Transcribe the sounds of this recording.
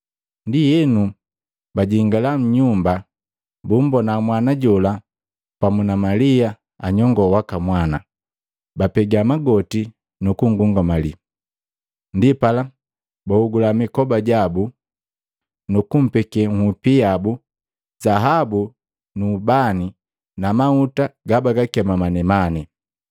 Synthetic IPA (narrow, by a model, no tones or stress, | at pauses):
ndijɛnu | baɟiŋɡalam̩ɲumba | bum̩bɔnamwanaɟɔla | pamunamalia | aɲɔŋɡɔwakamwana | bapɛɡamaɡɔti | nukuŋɡuŋɡamali | ndipala | bahuɡulamikɔbaɟabu | nukum̩pɛkɛŋ̩hupiabu | zaɦabu | nuːbani | namautaɡabaɡakɛmamanɛmani